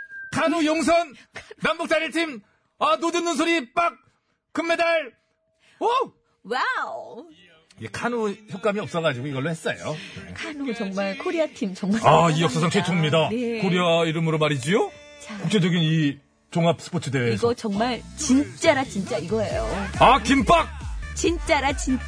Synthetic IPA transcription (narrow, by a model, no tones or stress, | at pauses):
kʰanujoŋs̬ʰʌnːambuk̚t͡ɕ͈aɾiɭtʰim | anodɯnːɯns̬ʰoɾip͈ak̚ | kɯmːe̞daɭ | o | waw | jekʰanuçʰjʌk͈amiʌp̚s͈ʌɣad͡ʑiɡoiɡʌɭːohes͈ʌjo̰ekʰanot͡ɕʌŋmaɭkʰoɾiatʰimt͡ɕʌŋmaaijʌk̚s͈asʰaŋt͡ɕʰet͡ɕʰoŋmɲidankʰoɾiaiɾɯmɯɾomaɾid͡ʑio | kuk̚t͡ɕ͈ʰed͡ʑʌɡini | t͡ɕoŋɦap̚s͈ɯ̥pʰot͡ɕʰɯdeiɡʌt͡ɕʌŋmaɭt͡ɕint͡ɕ͈aɾat͡ɕint͡ɕ͈aiɡʌejoakimpʰak̚t͡ɕint͡ɕ͈aɾat͡ɕin